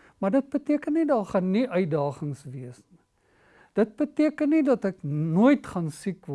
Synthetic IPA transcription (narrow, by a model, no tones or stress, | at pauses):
mɐrdət̚bətiəkənːidɑːχɐnːiʔœɥdɑːχəŋsviəsni | d̥ət̚bətiəkənːidɐtəknuəjtχɐnsikvɔ